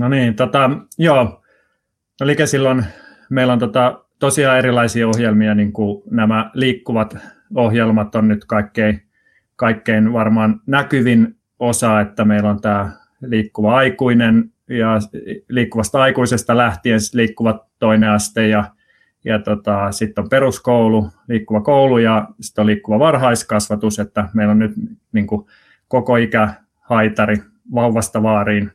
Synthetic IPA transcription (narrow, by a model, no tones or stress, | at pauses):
noniːnt̪ot̪ɑjoː | olikesilːon | meilont̪ot̪ɑt̪osiɑːeɾilɑisiɑohjelmiɑniŋkunæmæliːkːuʋɑt̪ | ohjelmɑt̪onnyt̪kɑikːei | kɑikːeinʋɑrmɑːnnækyʋin | osɑet̪ːæmeilont̪æː | liːkːuʋɑɑikuinen | jɑliːkːuʋɑst̪ɑɑikuisest̪ɑlæht̪iensi̥t̪liːkːuʋɑt̪oineɑst̪ejjɑ | jɑt̪ot̪ɑsit̪ːomperuskoululiːkːuʋɑkoulujɑsi̥t̪ːoliːkːuʋɑʋɑrhɑiskɑsʋɑt̪uset̪ːæmeilonnyt̪niːŋku | kokoikæ | hɑit̪ɑri | ʋɑuʋːɑst̪ɑʋɑːriːn